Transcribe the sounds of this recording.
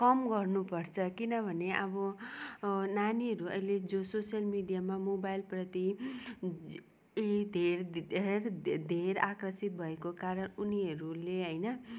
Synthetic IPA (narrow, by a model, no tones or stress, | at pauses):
kʌmɡʌrnupʌrt͡sʰʌkinʌbʱʌneʔʌbʌ | naniɦʌɾuʌ̰jled͡zososjʌlmiɖijamamobajlprʌt̪i | eid̪ʱeɾerd̪ʱeɾakrʌsit̪̚bʱʌekokaɾʌnuniʌɾuleɦʌjnʌ